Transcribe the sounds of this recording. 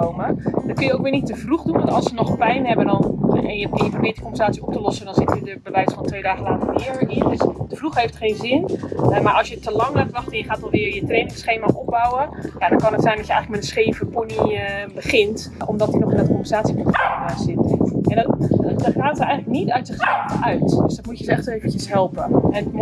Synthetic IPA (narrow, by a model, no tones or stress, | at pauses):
koːməd̥ɔtkønjəowk̚ʋɪːənitːəfruxdunʋɔntɔlˠsənɔxpɛjnhɛbəndɔnɛnjəkɪjəprobɪətdə̥kɔmbənsaːt͡siop̚təlɔsədɔnzɪtədəbəʋɛjsfɔntʋeːdaːɣəlaːtərɪəɹəɪndøsd̥əfruxhejftχeːnzɪnmaɹʔɔlˠsjətːəlɑŋlaːtʋɑxtənjəxaːtɔlˠʋɪərjətreːnɪŋsχeːmaop̚bawəjadɔnkɑnətsɛjndɔsjəɛ̰jŋlək̚manənsχeːvəpunibəχɪnt | ʔomdɔtdinɔxɪndatdəkompənzaːsipontadaːsɪt̚ɛnddχaːtərɛjxəŋləknitœɥtsɪxsɛlˠvʔœɥtd̥øsdɔtmujəzəɛxtəeːvəncəsɦɛlˠpəɛn